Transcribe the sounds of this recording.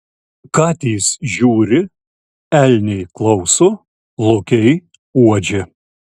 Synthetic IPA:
kɑːt̪ʲiːsʒʲuːɾʲɪ | ɛlʲnʲɛɪklˠɐʊsʊ | lˠʊkʲɛɪ | uɔd͡ʒʲɪ

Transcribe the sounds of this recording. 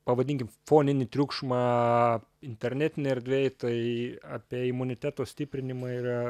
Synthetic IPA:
pɐʋɐd̪ʲɪːŋʲkʲɪmfoːnʲɪnʲɪt̪ʲɾʲuːkʃmɑ | ɪnʲt̪ʲɛɾʲnʲæːt̪ʲɪnʲɪɛɾʲd̪ʲʋʲɛɪt̪ɐɪaːpʲiɛɪmʊnʲɪt̪ʲæːt̪oːsʲt̪ʲɪpʲɾʲɪnʲɪmɑːiːɾɐ

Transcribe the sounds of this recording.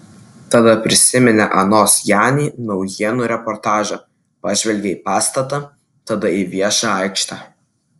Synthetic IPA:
t̪ɐd̪ɐpʲɾʲɪsʲɪmʲɛnʲɛʔɐnoːsjæːnʲiːnɒʊjiɛnuːɾʲɛpɔɾt̪ɑːʒɐ | pɑːʒʲʋʲɛlʲɡʲeiːpɑːst̪ɐt̪ɑ | t̪ɐd̪ɐiʋʲiɛʃɑːɑɪkʃt̪ɑː

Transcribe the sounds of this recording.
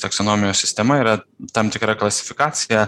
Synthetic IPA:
t̪ɐksonoːmʲɪjʲoːssʲɪsʲt̪ʲɛmɐiːɾɐt̪ɐmt̪ʲɪkɾɐklˠɐsʲɪ̥fʲɪkaːt̪sʲɪjɛ

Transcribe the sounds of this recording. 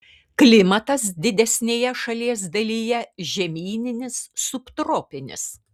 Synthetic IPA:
klʲɪmɐt̪ɐsd̪ʲɪd̪ʲɛsʲnʲeːjɛʃɐlʲiɛs̬d̪ɐlʲijɛʒʲɛmʲiːnʲɪnʲɪsːʊpt̪ɾoːpʲɪnʲɪ̰s

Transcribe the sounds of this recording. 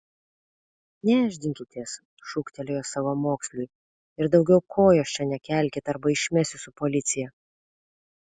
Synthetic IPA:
nʲɛːʒʲd̪ʲɪŋʲkʲɪt̪ʲiɛs | ʃʊkt̪ʲɛlʲejoːsɑʋomoːksʲlʲʊj | ɪɾd̪ɒʊɡʲɛʊkʰoːjoːst͡ʃʲɛnʲɛkʲɛˑlʲkʲet̪ɐɾbɐɪʃʲmʲɛsʲʊsʊpɔlʲɪt̪sʲɪjɛ

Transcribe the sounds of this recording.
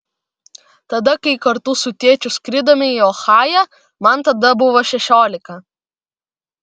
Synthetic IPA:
t̪ɐd̪ɐkɐɪkɐɾt̪ʊsʊt̪ʲiɛt͡ʃʲʊskɾʲɪd̪oːmʲɪiɔxɑːjɛ | mɐnt̪ɐd̪ɐbʊʋoʃʲɛʃʲoːlʲɪkɐ

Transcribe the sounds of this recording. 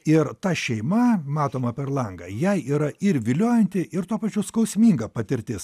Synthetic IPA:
ɪɾt̪ɐʃʲɛɪmɐmɑːt̪oːmɐpʲɛɾlˠɐŋɡɐ̰jɛɪiːɾɐɪɾʋʲɪlʲoːjɛnʲt̪ʲɪʔɪɾt̪uɔpɐt͡ʃʲʊskɐʊsʲmʲiːŋɡɐpɐt̪ʲɪɾʲt̪ʲɪs

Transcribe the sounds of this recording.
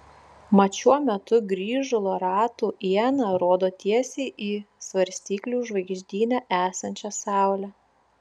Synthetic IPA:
mɐt͡ʃʲuɔmʲɛt̪ʊɡɾʲiːʒʊlˠoɾɑːt̪uːʔiɛnɑɾoɔd̪oːt̪ʲiɛsʲeːɪʔiːsʋɐɾʲsʲt̪ʲiːklʲuːʒʋɐɪɡʒʲd̪ʲiːnʲæʔæːsɐnʲt͡ʃʲɛsɑˑʊlʲɛ

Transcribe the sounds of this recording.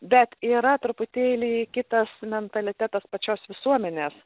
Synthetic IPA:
bʲɛt̪iːɾɐt̪ɾʊpʊt̪ʲeːlʲiːkʲɪt̪ɐsmʲɛnt̪ɐlʲɪt̪ʲæt̪ɐspɐt͡ʃʲoːsʋʲɪsuɔmʲɛnʲeːs

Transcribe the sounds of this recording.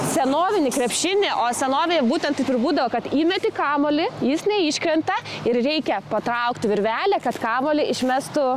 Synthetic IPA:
sʲɛnoːʋʲɪnʲɪkɾʲɛpʲʃʲɪnʲɪʔoːsʲɛnoːʋʲɪnʲɪbuːt̪ʲɛnt̪tɐɪpʲɪɾbuːd̪ɐʋokɐt̪iːmʲɛt̪ʲɪkɑːmoːlʲɪjɪsnʲɛɪʃʲkɾʲɛnt̪ɐɪɾrʲɛɪkʲɛpɐt̪ɾɐʊkt̪ʲʋʲɪɾʲʋʲæːlʲɛkɐt̪kɑːmoːlʲɪʔɪʃʲmʲæst̪ʊ

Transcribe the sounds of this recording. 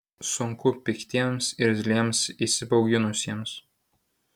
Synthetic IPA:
sʊŋkʊpʲɪkʲt̪ʲiɛmsɪɾzʲlʲiɛmsisʲɪbɐʊɡʲɪnʊsʲiɛms

